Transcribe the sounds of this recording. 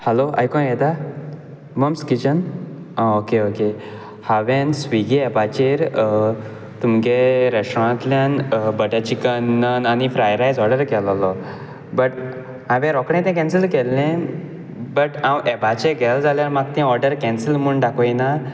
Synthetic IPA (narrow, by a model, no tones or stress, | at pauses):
hɛloa̰jkɔ̃jɛt̪a | məmskit͡ɕən | aokeoke | haʋẽnsʋiɡeɛbat͡ɕeɾ | t̪umɡeɾɛsʈɾãnt̪ljanbəʈat͡ɕikənːənanifɾajɾajd͡zɔɾɖəɾkɛlɔlɔ | bəʈ | ãʋẽɾɔkɽ̃ẽt̪ɛ̃kɛ̃nsəlkɛlːẽ | bəʈãwʔɛbat͡ɕeɾɡʱɛld͡zaljaɾmaɡt̪ɛ̃ɔɾɖəɾkɛ̃nsəlm̤uɳɖakʰɔjna